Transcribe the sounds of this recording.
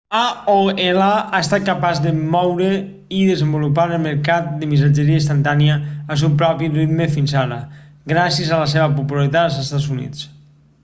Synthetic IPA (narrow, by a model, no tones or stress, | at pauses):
aoelaaest̪at̪̚kapazðəmɔwɾe | iðəzəmbulupaɾəlˠməɾkat̪̚d̪əmis̬ad͡ʒəɾiəist̪ant̪anjaːs̬upɾɔpirit̪mefinsaɾəɡɾasjəzaləs̬eβəpupulaɾit̪at̪əlˠzest̪azunḭt͡s